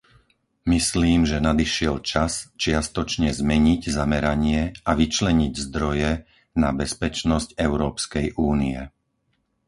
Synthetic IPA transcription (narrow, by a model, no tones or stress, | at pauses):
misliːmʒɛnad̪iʃɪɛlt͡ʃast͡ʃɪast̪ɔt͡ʃɲɛzmɛɲiɟzamɛɾaɲɪɛaʋit͡ʃlɛɲiɟzd̪ɾɔjɛ | nabɛspɛt͡ʃnɔscɛʊɾɔːpskɛjʔuːniɛ̰